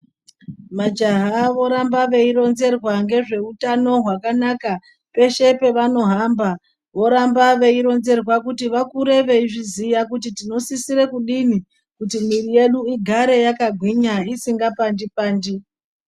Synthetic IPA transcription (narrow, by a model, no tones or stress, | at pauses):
mad͡ʒaɦaʋo̞ɾambaʋe̞iɾo̞nze̞rwaŋɡe̞ʐe̞utano̞ɦwakanaka | pe̞ʃe̞pe̞ʋano̞ɦamba | ʋo̞ɾambaʋe̞iɾo̞nze̞rwakutiʋakuɾe̞ʋe̞iʐizijakutitino̞sisiɾe̞kuɗini | kutimirije̞ɗuiɡʱaɾe̞jakaɡʱwiɲaisiŋɡapandipaːndi